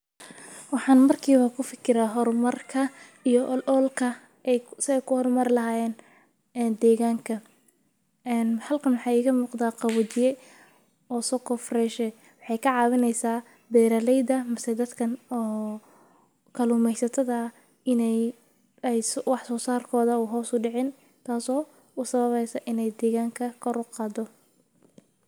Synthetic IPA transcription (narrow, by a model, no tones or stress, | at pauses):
wɑħɑːnmɐrkʰiːβɐkʰʊfɪkʰɪɾaːɦɔrmɐrkʰɐ | ijɔʔlʔɔlkʰɐ | ɛjsɪɛjkʰʊhɔrmɐɾɪlɐɦaːjɛːn | ɛːnd̪ɛːɣaːŋkʰɐ | ɛːnhɐlkʰɐnwɑħɑːiːɣɐmuːqd̪aːqɑβʊt͡ʃɪjɛ | ɔːsɔːkʰɔfrɛʃɛ | wɑħɑjkʰɐʕɑːβɪnɛjsaː | bɛːɾɐlɛjd̪ɐmɐsɛd̪ɐd̪kʰɐnɔː | kʰɐluːmɛjsɐt̪ʰɐðɐ | ɪnɛj | ɛjswɑħsɔːsaːrkʰɔːðɐuːɦɔːsʊɖɪʕɪn | t̪ʰaːsɔː | ʊsɐβɐβɛjsɐʔɪnɛjd̪ɛːɣaːŋkʰɐkʰɔɾʊqɑːd̪ɔ